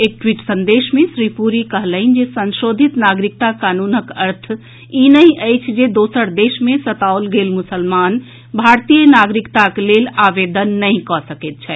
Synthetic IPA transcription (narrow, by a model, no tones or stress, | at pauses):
ek̚ʈwiʈsə̃nd̪eʃmẽsɾipuɾikəɦləɪnd͡ʒesə̃nsod̪ʱit̪naɡɾik̚t̪akanunəkəɾt̪ʰ | inəĩʔəjt͡ʃʰd͡ʒed̪osəɾd̪esmẽsət̪aolɡelmʊsəlman | bʱaɾt̪ijənaɡɾikt̪aklelaʋed̪ənːəɦĩkɔsəkɛt̪̚t͡ʃʰɛ